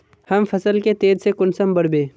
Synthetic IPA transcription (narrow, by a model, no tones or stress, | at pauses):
hɐmfʰɐsəlket̪eːdsekʊnsəmbɐɽbẽː